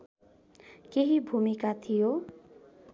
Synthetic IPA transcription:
keɦibʱumikat̪ʰijo

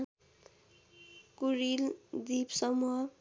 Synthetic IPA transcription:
kuɾild̪ipsʌmuɦʌ

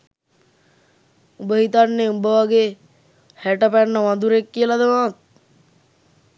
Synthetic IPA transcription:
ubəɦit̪anːeubəʋaɡe | hæʈəpæɳːəʋand̪uɾekːijəlad̪əmaːt̪̚

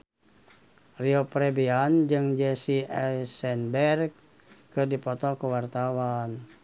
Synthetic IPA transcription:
riopɾɛbiand͡ʒɨŋd͡ʒɛsiɛsɛnbɛrk | kərdipɔt̪ɔkəwart̪awan

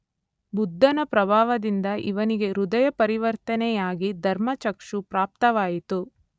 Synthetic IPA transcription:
bud̪ʱːɐnɐpɾɐbʱaːʋɐd̪ind̪ɐʔḭʋɐniɡe̞ɾud̪ɐjɐpɐɾiʋɐɾt̪ɐnɛjaːɡid̪ʱɐɾmɐt͡ʃɐkʂupɾaːp̚t̪ɐʋaːjit̪u

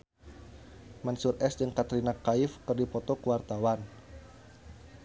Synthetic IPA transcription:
mansurʔɛsd͡ʒɨŋkat̪ɾinakaɪfkərdipɔt̪ɔkəwart̪awan

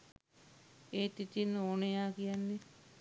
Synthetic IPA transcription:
eːt̪it̪inːəoːnəjaːkijanːe

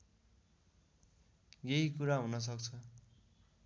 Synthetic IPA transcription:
jeɦikuɾaɦunʌs̬ʌkt͡sʰʌ

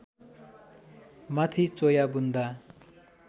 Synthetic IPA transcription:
mat̪ʰit͡sojabund̪a

